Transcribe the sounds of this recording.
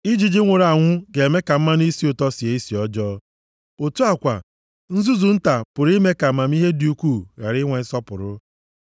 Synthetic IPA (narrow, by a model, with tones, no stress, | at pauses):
i˦d͡ʒi˦d͡ʒi˦ŋʷe˨ɾa˨ŋʷʊ˦ɡe˨me˦ka˨m̩˦ma˦ni˦si˦ʊ˨tɔ˦si˨e˨i˦si˨ɔ˦d͡ʒɔ˦ | o˨tu˦a˨kʷa̰˨ | n̩˦zu˦zu˨n̩˦ta˨pʊ˨ɾi˦me˦ka˨m̩˦ma˨m˦i˦ɦe˦di˨u˦kʷuː˦˨ɣa̰˨ɾɪ˦ŋʷe˨˦sɔ˦pʊ˨ɾʊ˦